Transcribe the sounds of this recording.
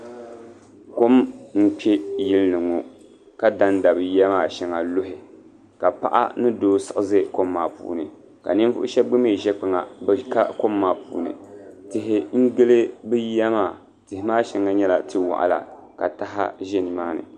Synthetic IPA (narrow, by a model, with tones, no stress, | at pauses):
ko˦mm̩˦pɛ˦jɪ˦lnɨ˨ŋo˨ | ka˦da˦n˦da˨bɨ˨ja˦maː˦˨ʃɛ˨ŋa˨lo˦ɦɪ˨ | ka˨pa̰˦ʔa̰˦nɨ˦doː˦sɨ˨ʔɨ˨zɨ˦ko˦mːaː˨pṵː˨nɨ˨ | ka̰˨nɨ˦n˦vʊ̰˦ʔʊ̰˦ʃɛ˦bɡ͡bɨ˦me˦˨ʒɛ˦k͡pɨ˨ŋa˨bɨ˨ka̰˦ko˦mːaː˨pṵː˨nɨ̰˨tɪ˨ɦɪ˨ŋ̩˦ɡɨ˦lɨ˦bɨ˦jɛ˦maː˦˨ | tɪ˨hɪ˨maː˦ʃɛ˦ŋa˦ɲɛ˦la˨tʰɨ˦wa̰˨ʔa̰˨la̰˨ka̰˨ta˦ɦa̰˦ʒɛ˦nɨ˨maː˦nɨ̰˨